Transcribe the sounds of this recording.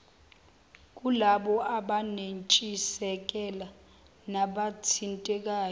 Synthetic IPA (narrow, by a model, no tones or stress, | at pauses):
k̬ʼulaɓɔʔaɓanent͡ʃʼisɛk̬ʼɛla | naɓatʰintʼɛk̬aːj